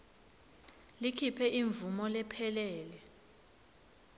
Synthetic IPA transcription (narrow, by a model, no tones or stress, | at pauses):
likʰipʰɛʔiɱvumɔlɛpʰɛlɛːlɛ